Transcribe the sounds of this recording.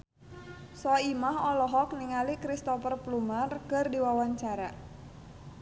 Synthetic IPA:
sɔimaɦɔlɔɦɔk̚niŋalikɾist̪ɔfərplumarkɨrdiwawaɲt͡ʃaɾa

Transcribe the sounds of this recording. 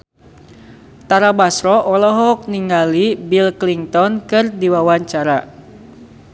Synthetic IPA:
t̪aɾabasɾɔʔɔlɔɦɔk̚niŋɡalibilkliŋt̪ɔnkɨrdiwawaɲt͡ʃaɾa

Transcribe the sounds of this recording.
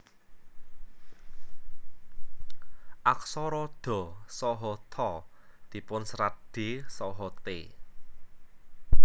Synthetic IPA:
ʔaksɔɾɔd̪̥ɔ̤sɔɦɔt̪ʰɔd̪̥i̤pʊnsɾaɖ̪̥e̤sɔɦɔt̪ḛ

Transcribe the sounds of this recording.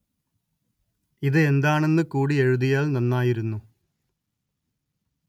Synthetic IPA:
iðɨe̞nd̪aːɳe̞nːɨkuːɽie̞ɻuðijaːlnɐnːaːjiɾunːu

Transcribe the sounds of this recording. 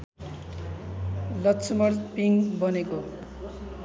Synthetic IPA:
lʌtsʰʌmʌrpiŋbʌneko

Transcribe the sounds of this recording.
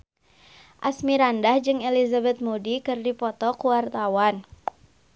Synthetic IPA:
ʔasmiɾandahd͡ʒɨŋelizabɛt̪̚modikɨrdipɔt̪ɔkuwart̪awan

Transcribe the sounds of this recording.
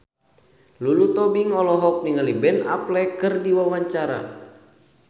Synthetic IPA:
lulut̪ɔbiŋɔlɔɦɔk̚niŋalibɛna̰plɛkɨrdiwawaɲt͡ʃaɾa̰

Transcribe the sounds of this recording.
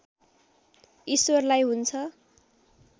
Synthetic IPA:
iswʌrlajɦunt͡sʰʌ

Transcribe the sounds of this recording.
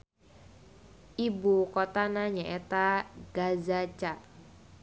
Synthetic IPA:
ʔibukɔt̪anaɲaʔɛt̪aɡ̥azat͡ʃa

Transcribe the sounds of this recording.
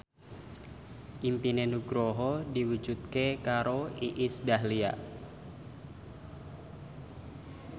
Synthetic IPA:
ʔimpinenuɡɾoɦɔdiwud͡ʒut̪̚kekaɾoiʔisdaɦlia̰ʔ

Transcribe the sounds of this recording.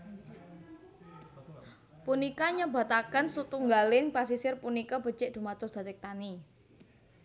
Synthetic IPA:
punikaɲəba̤t̪akənsut̪uŋɡalɪnpas̬isɪrpunikab̥ə̤t͡ʃɪʔd̪̥ṳmat̪ʊsd̪̥a̤t̪ɪk̚t̪ani

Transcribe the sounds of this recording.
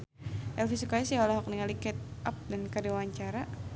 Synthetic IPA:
ʔɛlfisukajasiawalaɦɔk̚niŋalikɛt̪̚ʔap̚dankadiwaɲt͡ʃaɾa

